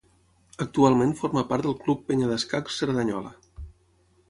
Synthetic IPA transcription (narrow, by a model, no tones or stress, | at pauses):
ək̚t̪ualˠmẽnfɔɾməpaɾt̪d̪əlˠklupːeɲəðəskaksəɾðəɲɔ̰lə̰